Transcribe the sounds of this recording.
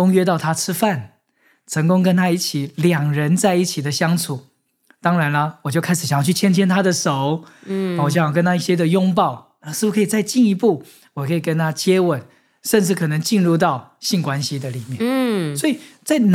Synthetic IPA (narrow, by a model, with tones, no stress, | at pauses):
ʊ˥ŋɥɛ˥t̪ɑ˥˩ʊt̪ʰa˥ʈ͡ʂʰɻ̩˥fa˥˨˩n | ʈ͡ʂʰɤ˧˥ŋkʊ˥ŋk̬ə˥nt̪ʰa˥i˥˩t͡ɕʰi˨˩˦ljɑ˨˩ŋɻə˧˦nt͡sa˥˧ɪi˥˩t͡ɕʰi˨˩d̪ə˦ɕjɑ˥ŋt͡sʰu˨˩˦ | t̪ɑ˥ŋɻa˧˥nlə˦wɔ˨˩t͡ɕjo˥˩ʊkʰa˥ɪʂ̩˨˩ɕŋjɑ˥˧˩t͡ɕʰy˥˩t͡ɕʰjɛ˥nt͡ɕʰjɛ˥nt̪ʰa˥d̪ə˨ʂo˨˦ʊ˨˩ɔ˨˩ɕjkə˥nt̪a˥˧i˥˩ɕjɛ˥d̪ə˨jʊ˥ŋp̬ɑ˥˩ʊna˧ʂɻ̩˥˩pu˧˩kʰɤ˧˥i˨˩t͡sa˥˧ɪt͡ɕi˥˩ni˧˥pu˥˩ | wɔ˨˩kʰɤ˧˥i˨˩kə˦˥nt̪ʰa˥t͡ɕjɛ˥wə˨˩˦n | ʂə˥˧nʈ͡ʂɻ̩˥˩kʰɤ˨˩nə˧˥ŋt͡ɕi˥˧nɻu˥˧t̪̬ɑ˥˩ʊɕi˥˩nkwa˦nɕi˧d̪ə˨li˨˩mjɛ˥˨nswɔ˧˥i˨˩t͡sa˥˩ɪn